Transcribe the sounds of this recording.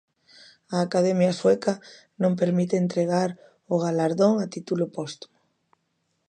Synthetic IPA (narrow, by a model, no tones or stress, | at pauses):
aːkaðɛmjaswɛka | nõmpeɾmit̪eːnt̪ɾeɣaɾ | ʊɣ̞alaɾðoŋat̪it̪ulʊpɔst̪u̥mʊ